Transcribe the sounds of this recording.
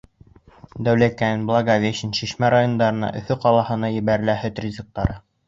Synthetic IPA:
d̪æwlækæɘnblˠɑɡavʲeɕɘnʃiʃmæɾajond̪ɑɾɤ̆nɑ̰ʔɵ̰̆fɵqɑlˠɑhɤ̆nɑjɘ̆βæɾɘ̆læhɘt̪rʲizɤ̆k̚t̪ɑɾɤ

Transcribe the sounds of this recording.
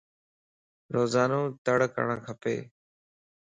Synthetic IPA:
ɾoːzaːnõːt̪əɽkə̰ɳã̰ːkʰəpḛː

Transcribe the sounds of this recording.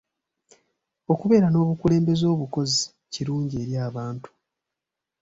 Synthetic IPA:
o̞kuβe̞ːɾano̞ːβukule̞ːmbe̞zo̞ːβuko̞zi | ciɾuːɲɟie̞ːɾjaːβaːntu̥

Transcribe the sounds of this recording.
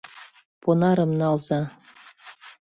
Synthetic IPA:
ponɑɾɤ̆mnɑlˠzɑ

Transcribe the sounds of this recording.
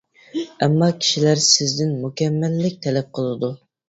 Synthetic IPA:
ɛmːɑkʲʰi̥ʃilæɾsɪzd̪ɪnmukʲʰɛmːælːɪk̚ʲt̪ʰɛlɛp̚qʰəlˠɨd̪u

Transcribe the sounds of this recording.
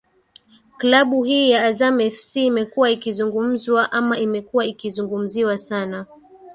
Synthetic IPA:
klaɓuhiːjaːzamɛfsiːmɛkuwaikizuŋɡum̩zwaʔamaʔimɛkuwaikizuŋɡum̩ziwasana

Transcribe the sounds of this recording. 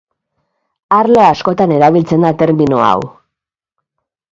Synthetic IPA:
aɾloasko̞t̪ane̞ɾaβilt͡se̞nd̪at̪e̞ɾminoa̰w

